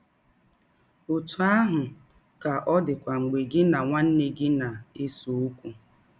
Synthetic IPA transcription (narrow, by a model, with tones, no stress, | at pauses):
o˨tu˨a˦ɦʊ˨ | ka˨ʔɔ˦dɪ˨kʷa˨ŋ͡m̩˨ɡ͡be˨ɡɪ˦na˨ŋʷa˦n̩˦ne˦ɡɪ˦na˨e˦so˨u˦kʷu˨